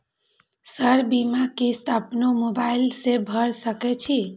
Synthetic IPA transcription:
səɾbimakisʈəpnomobaɪlsebʱəɾsəkɛt͡ʃʰi

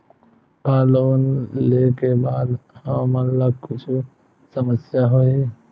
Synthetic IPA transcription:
kaːloːnlekebaːd̪həmənlaɡkʊt͡ʃʰu | səməsjaɦoi

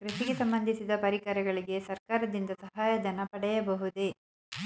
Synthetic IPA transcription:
kɾɐʃiɡesɐmbɐnd̪ʱisid̪ɐpɐɾikɐɾɐɡɐɭiɡe̞sɐɾkaːɾɐd̪ind̪ɐsɐɦaːjɐd͡ʒ̪ɐnɐpɐɽɛjɐbɐɦud̪e̞

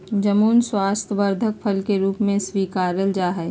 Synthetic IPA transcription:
d͡ʒəmuːnswaːst̪ʰəʋəɾd̪ʱək̚pʰəlkeɾuːpmẽswiːkaːɾəld͡ʒaːɦɛ

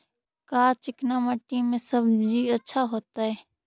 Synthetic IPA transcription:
kaːt͡ʃɪknãːmaːʈiːmːẽːsəbd͡ʒiːətːʃʰaːɦoːt̪aːɦeː

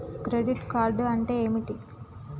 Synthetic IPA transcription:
kɾeɖiʈkaːɾɖɐɳʈe̞ːmiʈi

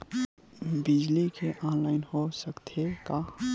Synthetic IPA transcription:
bid͡ʒlikʰeʔãnlaɪnhosəkt̪ʰeka

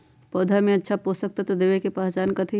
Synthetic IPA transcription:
pɔːd̪ʱamẽɐtːʃʰaposək̚t̪at̪od̪eːʋekepaːt͡ʃaːnkɐt̪ʰi

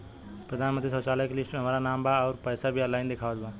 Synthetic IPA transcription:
pɾəd̪ʱaːnmə̃nt̪ɾisɔt͡ʃaːləjkelɪsʈmeɦəmaːɾanaːmbaɔːɾpəjsabʱialaːɪnd̪ekʰaːʋət̪ba

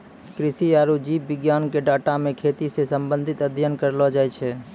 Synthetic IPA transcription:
kɾɪsiaːɾud͡ʒipʋɪɡjaːnkeɖaːʈamẽkʰet̪isesəmbə̃nd̪ʱɪt̪əd̪ʱjənkəɾlɔd͡ʒajt͡ʃʰɛ

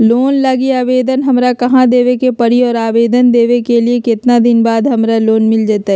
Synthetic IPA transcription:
loːnlaɡiaːʋeːd̪ənɦɐmɾakɐɦãd̪eːʋekepɐɽiɔːɾaːʋeːd̪ənd̪eːʋekeliekɪt̪nad̪ɪnbaːd̪ɦɐmɾaloːnmɪld͡ʒaːt̪aɦɛ

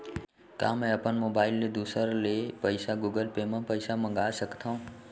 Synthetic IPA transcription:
ka̰ːmɛ̃ɐpənmoːbaːɪlːed̪uːsəɾlepəɪsaɡuɡəlpemãpəɪsamə̃ŋɡaːsəkt̪ʰãũ

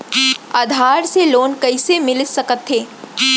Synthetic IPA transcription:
aːd̪ʱaːɾseloːnkɐɪsemɪlɪt̪sɐkət̪ɦeː

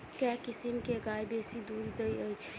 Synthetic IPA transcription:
kɛkɪsimkeɡajbesid̪uːɾd̪əjəjt͡ʃʰ

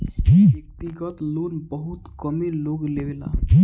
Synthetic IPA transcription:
bək̚t̪iɡət̪loːnbəɦut̪kəmeloɡlewela̰

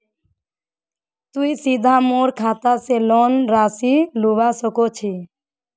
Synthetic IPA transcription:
t̪uisid̪ʱaːmoːɾkʰaːt̪aselɔːnɾaːsiluʋasəkot͡ʃʰi

